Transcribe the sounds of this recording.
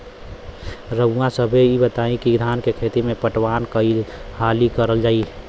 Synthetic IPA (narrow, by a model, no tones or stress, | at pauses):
ɾəuãsəbʱeibət̪aːĩkiɡd̪ʱaːnkekʰeːt̪imẽpəʈwaːnkəihaːlikəɾəld͡ʒaːi